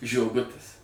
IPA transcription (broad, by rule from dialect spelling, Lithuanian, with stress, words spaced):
ʒʲoːˈɡʊtʲɪs